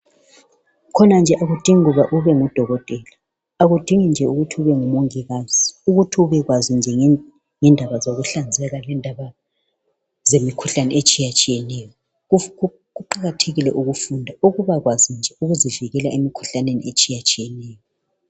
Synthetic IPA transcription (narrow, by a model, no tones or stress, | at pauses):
kʰɔnand͡ʒʱɛʔaɣud̥ʱiŋiɣuβaʔuβɛŋud̥ʱɔɣɔtʼɛla | aɣud̥ʱiŋind͡ʒʱɛuɣutʰiuβɛŋumoŋiɣaz̥iuɣutʰiuβɛɣwazind͡ʒʱɛ | ŋɛndʱaβazoɣuɬand͡zʱɛɣalɛndʱaβa | zemikʰuɬanɛet͡ʃʼijat͡ʃʼijɛnɛjɔ | ɣuǃaɣatʰeɣilɛʔuɣufundʱauɣuβaɣwazind͡ʒʱɛuɣuziviɣɛlaemikʰu̥ɬanenḭet͡ʃʼijat͡ʃʼijɛnɛːjɔ